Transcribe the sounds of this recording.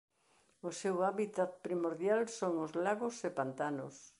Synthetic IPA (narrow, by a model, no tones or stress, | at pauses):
ʊsewaβit̪at̪̚pɾimoɾðjalsoŋʊzlaɣʊsepant̪anʊs